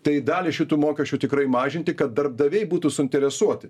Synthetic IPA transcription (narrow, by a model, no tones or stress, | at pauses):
t̪ɐɪd̪ɑːlʲɪʃʲɪt̪uːmoːkʲɛʃʲt͡ʃʲuːt̪ʲɪkɾɐɪmɑːʒʲɪnʲt̪ʲɪkɐt̪̚d̪ɐrb̚d̪ɐʋʲɛɪbuːt̪uːsʊɪnʲt̪ʲɛɾʲɛsuɔt̪ʲɪ